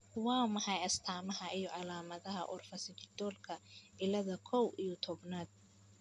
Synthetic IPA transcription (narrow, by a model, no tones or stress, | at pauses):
wɑːmɐhɑjɐst̪ʰaːmɐɦɐijɔʕɑlaːmɐðɐɦɐ̰ʔɔrfɐsɪt͡ʃɪd̪̥ɔːlkʰɐɪlɐðɐkʰɔwijɔt̪ʰɔbnaːd̪̥̚